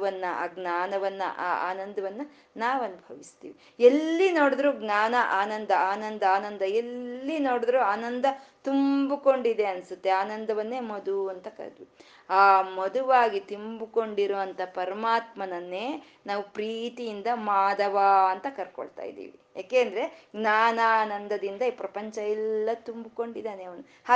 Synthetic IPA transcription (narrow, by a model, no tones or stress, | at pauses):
ʋɐnːɐa̰ːɡnaːnɐʋɐnːɐ̰ʔaːa̰ːnɐnd̪ɐʋɐnːɐ | naːʋɐnubʱɐʋist̪ḭːʋi | elːino̞ːɽid̪ɾuːɡnaːnɐʔaːnɐnd̪ɐaːnɐnd̪ɐaːnɐnd̪ɐelːino̞ːɽid̪ɐɾuaːnɐnd̪ɐt̪umbuko̞ɳɖid̪e̞ɐnsut̪ːe̞aːnɐnd̪ɐʋɐnːe̞ːmɐd̪uɐnt̪ɐkɐ̰ɾd̪ʋ | aːmɐd̪uʋaːɡit̪umbuko̞ɳɖiɾoːʋɐnt̪ʰɐpɐɾɐmaːt̪mɐnɐnːe̞ː | naːʋupɾiːt̪ijind̪ɐmaːd̪ɐʋaːɐnt̪ɐkɐɾko̰ɭt̪a̰ːjḭd̪ḭːʋḭja̰ːkeːɐnd̪ɐɾe̞ɡnaːnaːnɐnd̪ɐd̪ind̪ɐipɾɐpɐɲt͡ʃɐɛlːɐt̪umbuko̞ɳɖid̪aːneɐʋɐnu | haː